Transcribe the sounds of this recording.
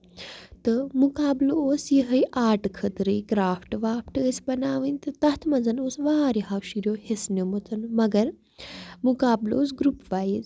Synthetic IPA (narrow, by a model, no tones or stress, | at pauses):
t̪ɨmukaːbloːsjiɦəjʔaːɾʈkʰət̪ɾɨjkɾaːfʈʋaːpʈəːsbɐnaːʋɨnʲt̪ɨt̪ɐt̪ʰmɐnzɐnoːsʋaːɾiɦɐkʃiɾjoːhisnomut̪ʰɨnmɐɡɐɾ | mukaːblo̰ːsɡɾupʋaːjiz